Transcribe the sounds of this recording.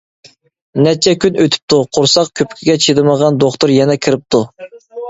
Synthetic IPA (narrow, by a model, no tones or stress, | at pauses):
nɛt͡ʃʰɛkʲʰynøt̪ʰy̥p̚t̪ʰuqʰʊɾsɑq̚kʲʰøpkʲʰiɡʲɛt͡ʃʰed̪ɨməʁɑnd̪oχt̪ʊɾjɛnɛkʲʰɪɾɪp̚t̪ʰu